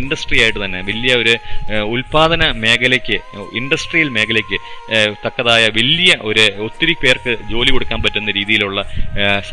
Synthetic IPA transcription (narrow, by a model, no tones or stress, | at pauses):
iɳɖɐsʈrijaːjiʈːɨt̪ɐnːe̞ʋelːijɐo̞ɾuulpaːðɐnɐme̞ːkɐlekʲːɨiɳɖɐsʈrijilme̞ːkɐlekʲːɨt̪ɐkːɐðaːjɐʋelːjɐʔo̞ɾuot̪ːiɾipe̞ːrkɨd͡ʑo̞ːlikoɽukːaːnpɐtːunːɐɾiːðijiluɭːɐ